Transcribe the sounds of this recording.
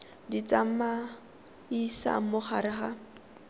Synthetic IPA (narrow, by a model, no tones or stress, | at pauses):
dit͡sam̩ma | isa̰mʊχaɾɪχa